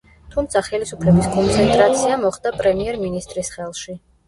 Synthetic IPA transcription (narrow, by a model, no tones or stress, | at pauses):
t̪ʰumt̪sʰaχɛlisupʰlɛbiskʼɔnt̪sʰɛnt̪ʼɾat̪sʰiamɔχd̪apʼɾɛmiɛɾminist̪ʼɾisχɛlˠʃi